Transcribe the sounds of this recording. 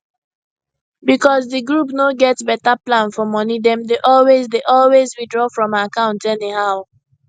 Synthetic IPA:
bikɔzðɨɡɹupnoɡɛtbɛtaplãnfɔmɔnidɛ̃mdeʔɔlwezdeʔɔlwezɹidɹɔfɹɔ̃makãʊ̃ntɛnihaʊ

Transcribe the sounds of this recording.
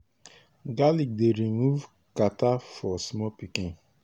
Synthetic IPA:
ɡalik̚deɾimuv | katafɔsmɔpikĩn

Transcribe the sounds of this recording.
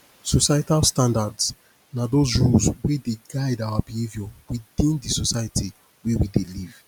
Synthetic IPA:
sosajtalstãndads | nadozɹulzwedeɡaɪdawabihevjɔwiðĩndisosajati | wewideliv

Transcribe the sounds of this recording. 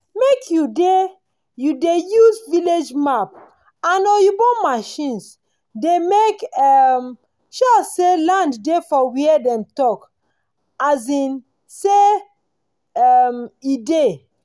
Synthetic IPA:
mekʰjude | judejuzviled͡ʒmap̚ | ãnɔjubɔmaʃĩns | demekɛm | ʃɔselãnddefɔwiɛdɛ̃mtɔk | azĩn | se | ɛmide

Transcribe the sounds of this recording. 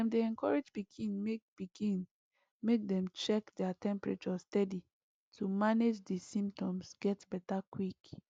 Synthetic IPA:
ɛ̃mdeɛ̃nkʰɔɹed͡ʒbikʰĩnmek̚b̥iɡʰĩn | mek̚dɛ̃mt͡ʃɛkdɛatʰɛ̃mpɹa̰t͡ʃɔstɛdi | tʰumaned͡ʒdisĩmptɔ̃msɡ̥ɛtbɛtakwik

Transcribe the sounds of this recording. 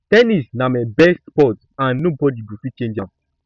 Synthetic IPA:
tɛnisnamabɛstspɔt | ãnːobɔdiɡufit͡ʃẽnd͡ʒã

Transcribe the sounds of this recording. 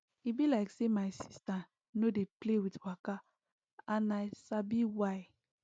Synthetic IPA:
ibilaɪksemaɪsi̥sta | nodeplewitwaka | ãnaɪsabiwaj

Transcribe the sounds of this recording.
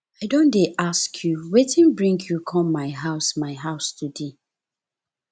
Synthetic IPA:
aɪdõndeʔaskʰjuwetĩnbɹĩŋɡjukʰɔ̃mːaɪɦaʊsmaɪɦaʊstude

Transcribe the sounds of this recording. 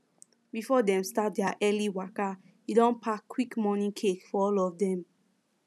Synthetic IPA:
bifɔdɛ̃mstat̚dɛaʔɛliwaka | idɔ̃npʰakwikmɔnĩkʰekfɔɔlɔfdɛ̃m

